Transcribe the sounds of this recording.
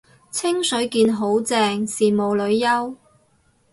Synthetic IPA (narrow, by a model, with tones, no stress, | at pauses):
t͡sʰɪ˥ŋsɵ˨˥ɥkiː˧nɦo˨˥wt͡sɛː˧ŋsiː˨˩mo˨wlɵ˨˧ɥjɐ˥w